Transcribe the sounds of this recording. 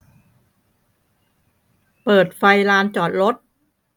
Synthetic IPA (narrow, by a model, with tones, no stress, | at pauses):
pɤː˨˩t̪̚fa˧jɾaː˧nt͡ɕɔː˨˩t̪̚ɾo˦˥t̪̚